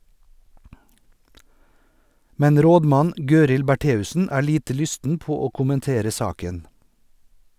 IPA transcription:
ˈmɛn ˈɾoːdˌmɑn ˈɡøːɾɪl bæˈʈeːʉsn̩ ˈæː ˈɭiːtə ˈlʏstn̩ ˈpoː ˈoː kʊmənˈteːɾə ˈsɑːkən

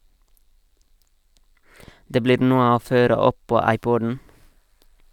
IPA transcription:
ˈdeː ˈbliːɾ ˈnuːə ˈoː ˈføːɾə ˈɔp ˈpoː ˈɑɪˌpɔdn̩

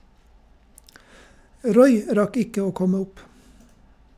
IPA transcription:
ˈɾɔʏ ˈɾɑk ˈɪkə ˈoː ˈkɔmə ˈʊp

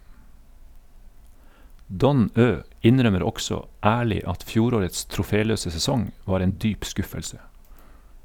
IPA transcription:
ˈdɔn ˈøː ˈɪnɾœməɾ ˈɔksɔ ˈæːɭɪ ˈɑt ˈfjuːɾoːɾəts tɾʊˈfeːˌløːsə sɛˈsɔŋ ˈʋɑːɾ ˈeːn ˈdyːp ˈskʉfəlsə

